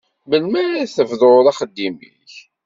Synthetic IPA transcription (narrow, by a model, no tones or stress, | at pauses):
məlmæɾæθəvðˤoðɑχəd̪ːimḭç